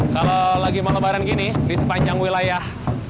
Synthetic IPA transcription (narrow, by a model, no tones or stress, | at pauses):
kalolaɡimalobaɾanɡinibisəpaɲd͡ʒaŋwilajah